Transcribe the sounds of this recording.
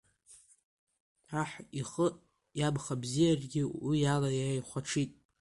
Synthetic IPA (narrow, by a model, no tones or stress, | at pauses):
aħiχəʔʼ | jabχabzijarɡʲɪwijalajaajχʷaʈ͡ʂʰitʼ